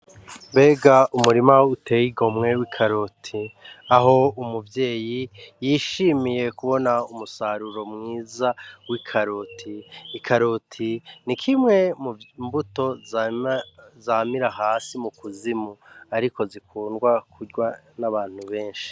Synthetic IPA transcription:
mbe̞ːɡaʔumuɾimautejiɡo̞mŋe̞wikʰaɾotʰiaɦo̞umuvje̞ːjijiʃimije̞kuβo̞naumusaɾuɾo̞mŋiːzawikʰaɾotʰiːkʰaɾotʰinikʰimŋe̞mumbuto̞ | zamiɾaɦaːsimukuzimuaɾiko̞zikʰuːnɡwakʰuɟwanaβaːn̥huβe̞ːnʃi̥

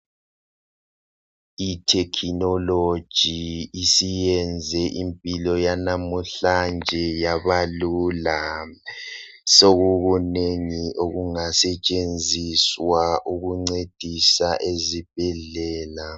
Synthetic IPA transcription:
itʰɛkʰinɔlo̥ʒ̥ʱiːsijɛnd͡zʱɛʔimpʼilɔjanamuɬand͡ʒʱɛjaβalula | soɣuɣuneŋiʔoɣuŋasɛt͡ʃʼend͡zʱiswaʔuɣuŋ͡ǀed̥ʱisaʔezib̥ʱɛɮɛːla

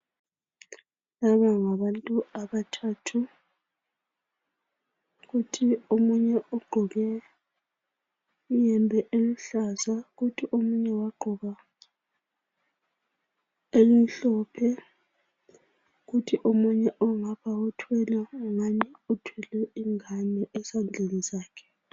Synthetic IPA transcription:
laβaŋaβantʼuaβatʰatʰu | ɣutʰiomuɲɛʔɔɡ͡ǃʱɔɣɛ | ujɛmbʱɛʔeliɬazaɣutʰiʔomuɲɛwaɡ͡ǃʱɔɣa | elim̩ɬɔpʰɛ | ɣutʰiʔomuɲɛʔɔŋapawɔtʰwɛlaŋaniutʰwɛlɛiŋanɛʔɛsand͡ɮʱenizaːkʰɛ̥

